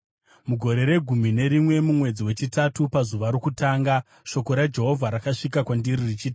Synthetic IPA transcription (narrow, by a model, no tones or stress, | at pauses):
muɡʱo̞ɾe̞ɾe̞ɡʱumine̞ɾimwe̞mumwe̞d͡ziwe̞t͡ʃitatupazuʋaɾokutaːŋɡa | ʃo̞ko̞ɾad͡ʒe̞ɦo̞vʱaɾakaʂikakwandiririt͡ʃiːt